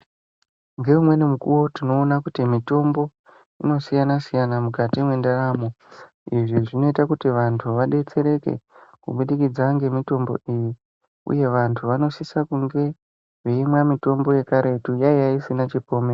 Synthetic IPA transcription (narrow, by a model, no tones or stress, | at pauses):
ŋɡe̞umwe̞nimukṵwo̞tino̞ːnakutimito̞mbo̞ | ino̞sijanasijanamukatimwe̞ndaraːmo | iʐiʐino̞itakutiʋantʰuʋaɗe̞t͡se̞ɾe̞ke̞̰kṵɓuɗikid͡zaŋɡe̞mito̞mbo̞̰iji | ṵje̞ʋantʰuʋano̞sisakuŋɡe̞ | ʐeimwamito̞mbo̞je̞kaɾe̞tujaijaisinat͡ʃipo̞ːme